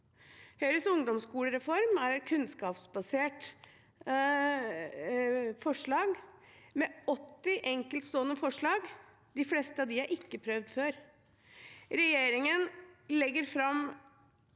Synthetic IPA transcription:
hœʏɾəsʊŋd̪ɔmskuːləɾɛfɔɾmæɾɛt̪kʰʉnskɑːpsbɑseːʈ | fɔʂɭɑːɡ | mɛɔt̪ːɪʔɛŋkəlt̪st̪oːənːəfɔʂɭɑːɡ | d̪ɪflɛst̪əɑʋd̪ɪhæɾʔɪkːəpʰɾœʋd̪føːɾ | ɾɛjeːɾɪŋənlɛɡːəɾfɾɑm

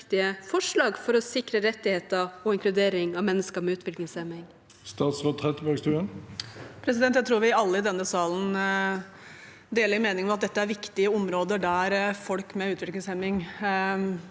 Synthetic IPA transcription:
t̪ɪəfɔʂɭɑːɡfɔɾɔsɪkɾəɾɛt̪ːɪheːt̪əɔɪŋklʉd̪eːɾɪŋɑʋmɛnːəskəmɛʉːt̪ʰʋɪklɪŋsɛmːɪŋ | st̪ɑːt̪sʁoːʁɛt̪əbæɡst̪ʰʉːənpʰɾɛs̬ɪd̪ɛnt̪ːjæt̪ʰɾuːɾʋɪɑlːəɪd̪ɛnːəsɑːln̩ | d̪eːləɾmeːnɪŋmɛɑt̪̚d̪ɛt̪ːəæɾʋɪkt̪ɪəɔmɾoːd̪əɖ̪æɾfɔlkmɛʉːt̪ʋɪklɪŋsɛmɪŋ

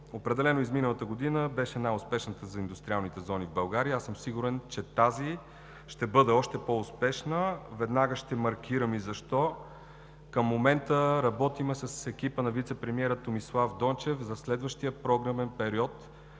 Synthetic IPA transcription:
opɾɛd̪ɛlɛnoizminəlˠət̪əɡod̪inəbɛʃɛnajʊspɛʃnət̪əzɐind̪ʊst̪ɾialˠnit̪ɛzɔnivbɐlˠɡaɾiəasɤmsiɡuɾɛnt͡ʃɛt̪azi | ʃt̪ɛbɤd̪ɛɔʃt̪ɛpoʊspɛʃnəvɛd̪naɡəʃt̪ɛmɐɾkʰʲiɾəmizɐʃt̪ɔ | kəmːomɛnt̪əɾɐbɔt̪imɛsɐsɛk̟ipənɐvit̪sɛpɾɛmiɛɾət̪omislˠavd̪ɔnt͡ʃɛfzɐslɛd̪vəʃt̪iəpɾɔɡɾəmɛnpɛɾiɔt̪

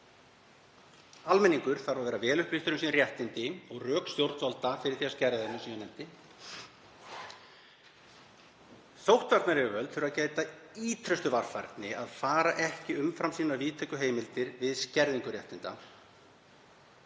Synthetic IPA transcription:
almɛnːiŋkʏɾ̥θaɾvaðvɛːɾavɛːlʏhpliht̪ʏɾʏmsiːnrjɛht̪ɪnt̪ɪɔɣrœːkst̪jowɾt̪valt̪afɪɾɪɾ̥θiascɛɾðaðɪnasiːnanɛnt̪ɪ | θowht̪vaɾt̪naɾɛvʏvœlt̪fɪɾaðcaːjt̪aiːt̪ʰɾœst̪ʏvaɾ̥fa̰ɾt̪nɪaðfaːɾaʔɛhcɪʏmfɾamsiːnaviːt̪ʰɛkʏɦeːjmɪlt̪ɪɾvɪðscɛɾðiŋkʏrjɛht̪ɪnt̪a̰

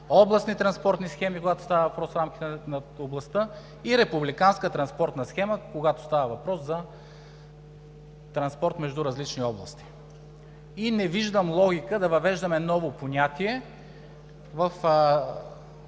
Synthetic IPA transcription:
ɔblˠɐsnit̪ɾɐnspɔɾt̪nisxɛmikoɡat̪o̥st̪avəvɐpɾɔsfɾamkʲi̥t̪ɛnɐʊblˠɐst̪ə | iɾɛpublikanskət̪ɾɐnspɔɾt̪nɐsxɛməkoɡat̪o̥st̪avəvɐpɾɔszɐ | t̪ɾɐnspɔɾt̪mɛʒd̪uɾɐzlit͡ʃniɔblˠɐst̪i̥ | inɛviʒd̪əmlˠɔɡʲikəd̪ɐvɐvɛʒd̪əmɛnɔvopoɲʲat̪iɛ | vɐf

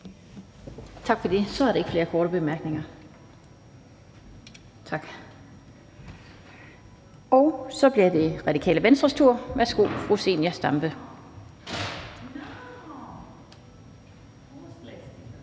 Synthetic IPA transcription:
t͡sʰɑ̈ɡ̥fɒ̽d̥esɒ̽æɐɾ̥e̝ɡ̥fle̝ːɐkʰɒːɾəb̥e̝mæɐɡ̥ne̝ŋɐ | t͡sʰɑ̈ɡ̥ | ɒ̽ʊsɒ̽b̥liɐd̥e̝ʁɑ̈d̥ikʰɛ̰ːləʋensd̥ʁɐst͡sʰuɐ̰ʋæɐsɡ̥o̝̰ːfʁuse̝̰ːnjæsd̥ɑmb̥ə

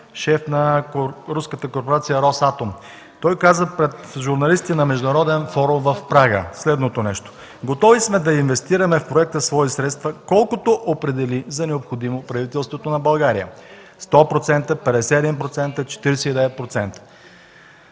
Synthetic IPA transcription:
ʃɛfnɐɾuskət̪əkoɾpoɾat̪sijəɾɔsat̪om | t̪ɔjkazəpɾɛt̪ʒuɾnɐlist̪it̪ɛnɐmɛʒd̪ʊnɐɾɔd̪ɛnfɔɾumvɐfpɾaɡə̰slɛd̪not̪onɛʃt̪o̥ | ɡot̪ɔvismɛd̪ɐinvɛst̪iɾɐmɛfpɾoɛk̚t̪əsvɔisɾɛt̪st̪vɐkɔlˠkot̪oʔopɾɛd̪ɛlizɐnɛopxod̪imopɾɐvit̪ɛlˠst̪vot̪onɐbɐlˠɡaɾiə̰ | st̪ɔpɾot̪sɛnt̪əpɛd̪ɛsɛɛd̪inpɾot̪sɛnt̪ət͡ʃɛ̥t̪iɾɛsɛid̪ɛvɛt̪̚pɾot̪sɛnt̪ə̥

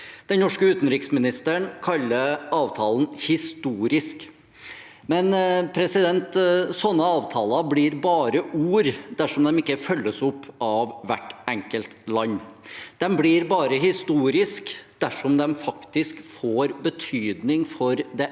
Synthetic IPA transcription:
d̪̥ɛnnɔʂkəʉːt̪nɾɪksmɪnɪst̪əɳkʰɑlːəɾɑːʋt̪ʰɑːln̩hɪst̪uːɾɪsk | mɛnpʰɾɛsɪd̪ɛnt̪sɔnːəɑːʋt̪ʰɑːlɑbliːɾbɑːɾəʔuːɾd̪æʂɔmd̪ɛmɪkːəfœlːəsɔpːɑʋʋæʈːɛŋkəlt̪lɑɲːd̪̥ɛmblɪɾbɑːɾəɦɪst̪uːɾɪskd̪̥æʂɔmd̪ɛmfɑkt̪ɪskfoːɾbət̪ʰyːd̪nɪŋfɔɾd̪ɛ

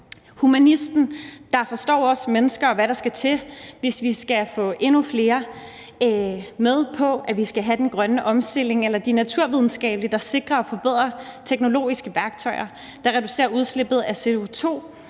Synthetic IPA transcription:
humænisd̥n̩d̥ɑ̈fɒ̽sd̥ɒ̰ːɒ̽smenəsɡ̥ɐɒ̽ʋæɾɑ̈sɡ̥æt͡sʰe̝ʋe̝sʋisɡ̥æfɔ̰̽ːʔe̝nufle̝ːɐ | með̞ˠpʰɒ̽ʔæʋisɡ̥æɦæd̥enɡ̥ʁɶnəʔɒ̽msd̥e̝l̰e̝ŋelɐd̥inæt͡sʰuɐ̰ʋið̞ˠn̩sɡ̥ɛ̰ːb̥lid̥ɑ̈se̝ɡ̥ʁɐɒfɒ̽b̥eð̞̰ˠʁɐt͡sʰeɡ̥no̝lo̝̰ːisɡ̥əʋæɐɡ̥̚t͡sʰɒ̽ɪɐ | d̥ɑ̈ʁɛd̥use̝̰ːɐʔuð̞ˠsle̝b̥ð̞̩ˠæse̝o̝t͡sʰo̝̰ː

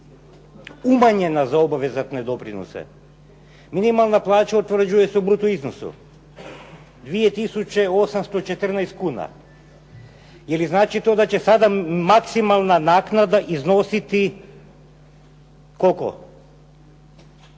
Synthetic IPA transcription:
umaɲe̞nazao̞baʋe̞zat̪ned̪o̞pɾino̰sḛ | minimalˠnaplˠaːt͡ʃaut̪ʋr̩d͡ʒuje̞seubɾut̪uiznosṵ | d̪ʋijet̪isut͡ɕe̞o̞samst̪ot͡ʃet̪r̩najst̪̚kuːna̰ | jeliznaːt͡ʃit̪o̞d̪at͡ɕe̞sad̪amaksimalˠnanaːknad̪aʔizno̞sit̪i | ko̞ko̰

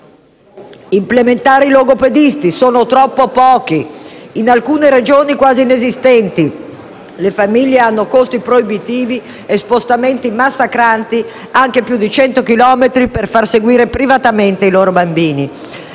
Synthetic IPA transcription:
implement̪aːɾiloɡoped̪ist̪isoːnot̪ɾɔpːopɔːk̟iːnalkuːneɾed͡ʒoːnikwaːzinezist̪ɛnt̪i | lefamiʎːeanːokost̪ipɾoibit̪iːvi | espost̪ament̪imasːakɾant̪i | aŋk̟epjud̪ːit͡ʃɛnt̪okilɔːmet̪ɾiperfarseɡwiːɾepɾivat̪ament̪eiloːɾobambiːni

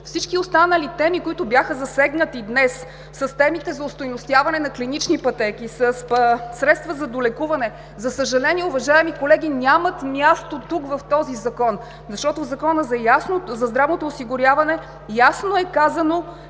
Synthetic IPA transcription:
fsit͡ʃkiost̪anəlit̪ɛmikoit̪ʊbʲjaxəzɐsɛɡnət̪id̪nɛsː | ɐst̪ɛmit̪ɛzɐʊst̪ojnost̪ʲjavɐnɛnɐklinit͡ʃnipɐt̪ɛkisɐspsɾɛt̪st̪vəzɐd̪olɛkuvɐnɛ | zɐsəʒɐlɛniɛʊvɐʒaɛmikolɛɡ̟ʲinʲamɐt̪mʲjast̪ot̪ukvɐft̪ɔzizɐkɔn | zɐʃt̪ɔt̪ozɐkɔnəzɐjasnozɐzd̪ɾavnot̪oːsiɡʊɾjavɐnɛ | jasnoɛkazɐno

